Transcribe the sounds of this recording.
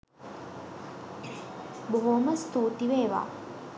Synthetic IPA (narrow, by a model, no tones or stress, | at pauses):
boɦoməst̪uːt̪iʋeːʋa̰ː